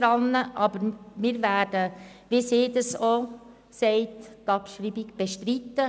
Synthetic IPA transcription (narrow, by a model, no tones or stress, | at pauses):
ɾɑnːəʔɑbəɾmɪːɾvæːd̥əʋisɪːd̪ɑso | sɛɪt̪tɑpʃɾiːbɪɡb̥eʃtɾit̪ːə